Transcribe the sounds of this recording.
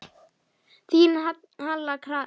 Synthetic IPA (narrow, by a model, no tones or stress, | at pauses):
t̪in | ɦãlləkʰɾa